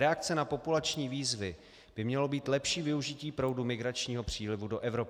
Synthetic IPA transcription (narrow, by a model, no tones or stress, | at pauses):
ɾɛak̚t͡sɛnapo̞pulat͡ʃɲiːviːzvɪ | b̥ɪmɲɛlo̞biːt̪lɛpʃiːvɪuʒɪciːpɾo̞wdumɪɡɾat͡ʃɲiːɦo̞pr̝̥iːlɪvudo̞ʔɛvɾo̞p